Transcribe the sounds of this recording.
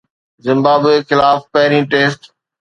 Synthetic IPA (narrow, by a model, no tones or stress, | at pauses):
zɪ̃mbaːbexɪlaːfpɐɦɪɾĩːʈeːsʈ